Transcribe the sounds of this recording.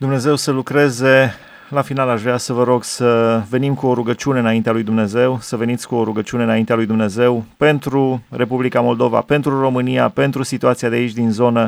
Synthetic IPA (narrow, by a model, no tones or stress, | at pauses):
d̪umne̞ze̞wsəlukɾe̞ze̞ | lafinalaʃvɾeasəvəɾo̞ɡsəve̞nimkuo̞ɾuɡət͡ʃiune̞ɨnaint̪ealujd̪umne̞ze̞wsəve̞nit̪sʲkuo̞ɾuɡət͡ʃiuneɨnaint̪ealujd̪umne̞ze̞wpe̞nt̪ɾure̞publikamo̞ld̪o̞va̰pe̞nt̪ɾuro̞mɨnija̰pe̞nt̪ɾusit̪uat̪siad̪eait͡ʃʲd̪inzo̞nə